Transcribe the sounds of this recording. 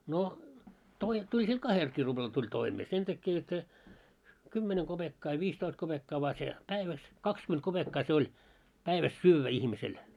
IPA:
no toi tulʲ sil kɑhelkiː rub̥lɑl tulʲ toimeː sen tækːe jot se kymːeneŋ ɡ̊ob̥ekːɑː jɑ ʋiːstoist kob̥ekːɑː ʋɑː se pæiʋæs kɑkskyment kob̥ekːɑː se olʲ pæiʋæs syːʋːæ ihmisel

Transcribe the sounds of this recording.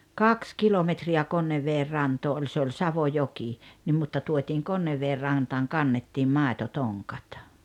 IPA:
kɑks kilometriæ konːeʋːeːr rɑntoː olʲ se olʲ sɑʋojoki nim mutːɑ tuotʲiːŋ konːeʋːeːr rɑntɑːŋ kɑnːetːiːm mɑˑetotoŋkɑ̥t

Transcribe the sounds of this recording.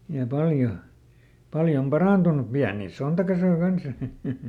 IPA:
jɑ pɑljo pɑljom pɑrɑˑntunˑu piæniˑ sontɑkɑsoi kɑns j̆ɑ̆

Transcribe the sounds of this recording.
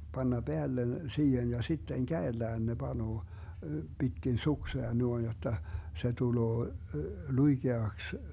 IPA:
b̥ɑnːɑ b̥eælːen siːhen jɑ sitːeŋ kæelːæːn ne b̥ɑnoː b̥itkin sukseɑ nuoĭn jotːɑ se tuloː luiɡ̊eɑks

